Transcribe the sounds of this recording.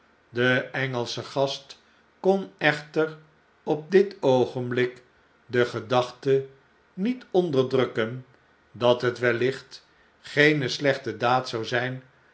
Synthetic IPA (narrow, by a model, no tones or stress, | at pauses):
dəɛŋəlˠsəχɑst | kɔnɛχtər | ɔp̚dɪtowχənblɪk | dəχədɑχtə | nitɔndəɹdrɵkən | dɑtɦətʋɛlɪχt | χejnəslɛχtədaːtsɑwzɛjn